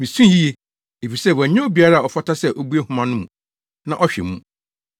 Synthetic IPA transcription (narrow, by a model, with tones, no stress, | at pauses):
mĩ˨sũ˦ji˦e˦ | e˨fi˨sɛ˦˨wɔ˨˦ɲɛ̃˦o˦bi˨a˨ɾa˦˨ɔ˨fa˦tʰa˦sɛ˦˨ʔɔ˦bu˦e˦hʊ̃˦mã˦nʊ̃˦mũ˨ | nã˦ʔɔ˦ɕᶣɛ̰˨mũ˦